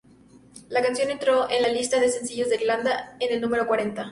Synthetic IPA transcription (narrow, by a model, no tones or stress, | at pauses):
lakansjo̞ne̞nt̪ɾo̞ʔe̞nlalist̪aðe̞se̞nsiʝozðeiɾland̪aene̞lnũme̞ɾo̞kwaɾe̞nt̪a